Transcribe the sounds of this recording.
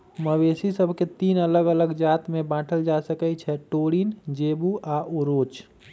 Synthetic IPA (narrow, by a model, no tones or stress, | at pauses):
məwesisəbʱket̪iːnələɡələɡd͡ʒat̪mẽbãːʈʰəld͡ʒasəkət͡ʃʰɛʈoɽind͡ʒebuaʔuɾoːt͡ʃ